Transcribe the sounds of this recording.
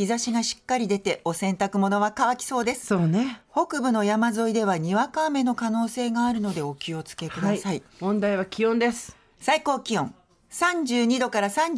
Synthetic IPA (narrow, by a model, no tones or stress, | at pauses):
çizaɕiɡaɕi̥kːaɾʲid̪e̞t̪e̞ʔo̞sẽ̞nt̪akɯ̟mo̞no̞β̞akaβakʲi̥so̞ːd̪e̞sɨ̥oːneho̞kɯ̟bɯ̟no̞jamazo̞id̪e̞β̞aɲ̟iβakaːme̞no̞kano̞ːse̞ːɡaːɾɯ̟no̞d̪e̞o̞kʲio̞t͡sɨ̥ke̞kɯ̟d̪asaimõ̞nd̪aiβakʲiõnd̪e̞sɨ̥ | saiko̞ːkʲiõ̞̰ŋ | sãɲ̟d͡ʑɨːɲ̟id̪o̞kaɾasãɲ̟